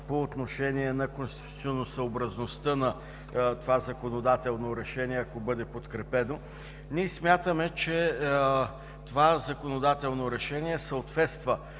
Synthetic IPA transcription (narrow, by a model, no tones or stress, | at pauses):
poːt̪noʃɛniɛnɐkonst̪i̥t̪u̥t̪sʲionːosəobɾɐznost̪ɤnɐ | t̪ovazɐkonod̪at̪ɛlˠnoɾɛʃɛniɛɐkobɤd̪ɛpot̪kɾɛpɛno | nʲiɛsmʲjat̪əmɛt͡ʃɛ | t̪ovazɐkonod̪at̪ɛlˠnoɾɛʃɛniɛsəot̪vɛt̪st̪və